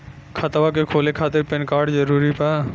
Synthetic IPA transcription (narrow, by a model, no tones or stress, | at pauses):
kʰat̪abak̬ekʰolekʰat̪eɾpenkaɾɖd͡ʑəɾuɾipa